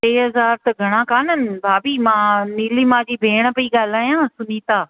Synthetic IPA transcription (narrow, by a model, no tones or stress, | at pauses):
ʈeːɦɐzaːɾt̪ɐɡʱɐɽ̃ãkaːnənɪ̆bʱaːbiːmãːniːlimãːd͡ʑiːbʱeːɽ̃ə̆pɐiɠaːl̤aːjãːsʊniːt̪aː